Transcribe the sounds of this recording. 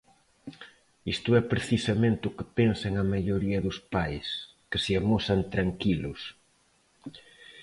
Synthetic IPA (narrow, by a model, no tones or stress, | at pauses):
ist̪ʊɛpɾeθisɐmẽnt̪ɪʊkɪpensaeŋɐmaʎoɾiɐðʊspajs | kɪsɪamosɐnt̪ɾaŋkilʊs